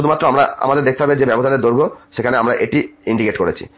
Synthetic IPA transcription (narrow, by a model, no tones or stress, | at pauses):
ud̪ʱumat̪ːɾoamɾaa̰mad̪eɾd̪ek̚ʰt̪eɦɔbed͡ʑebɛboʃad̪eɾd̪oɾɡʱoʃekʰaneamɾaʔeʈiiɳɖikeʈkoɾet͡ɕʰḭ